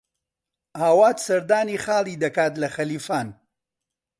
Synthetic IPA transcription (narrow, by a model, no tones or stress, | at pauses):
aːwaːt̪sɐɾd̪aːniːxaːlˠiːd̪ɐkaːt̪lɐxɐliːfaːn